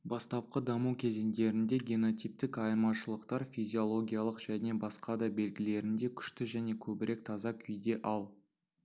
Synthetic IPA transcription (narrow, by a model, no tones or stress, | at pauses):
bɑst̪ɑp̚qəd̪ɑmukʲʰe̞ze̞nd̪e̞ɾɪnd̪e̞ɡʲeno̞t̪ijp̚t̪ɪkɑjɾmɑʃəlˠəqt̪ɑɾfʲijzʲio̞lˠo̞ɡʲijalˠəqʒ̥æne̞bɑsqɑd̪ɑbe̞lɡʲɪle̞ɾɪnd̪e̞kʲʰʏ̥ʃt̪ɪʒæne̞kʲʰɵbɪɾe̞k̚t̪ʰɑzɑkʲʰʏjd̪e̞ʔɑlˠ